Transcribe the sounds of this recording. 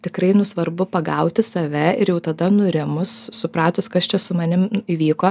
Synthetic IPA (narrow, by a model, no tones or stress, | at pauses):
t̪ʲɪkɾɐɪnʊsʋɐrbʊpɐɡɐʊt̪ʲɪsɐʋʲɛɪɾjɛʊt̪ɐd̪ɐnʊɾʲɪmʊssʊpɾɑːt̪ʊskɐst͡ʃʲɛsʊmɐnʲɪmiʋʲiːkoː